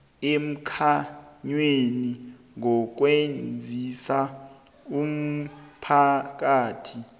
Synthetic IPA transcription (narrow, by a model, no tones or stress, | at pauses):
em̩kʰaɲweni | ŋɔk̬wend͡zʱisa | um̩pʰak̬aːtʰi